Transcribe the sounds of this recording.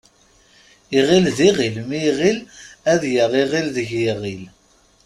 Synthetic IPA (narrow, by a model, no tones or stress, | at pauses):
iʁilðiʁilmiʁilæðjəʁˤiʁilðəʝiʁil